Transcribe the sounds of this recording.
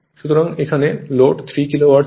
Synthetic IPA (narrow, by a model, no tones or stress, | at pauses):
ʃut̪oɾaŋekʰaneloʈt̪ʰɾikilowaʈ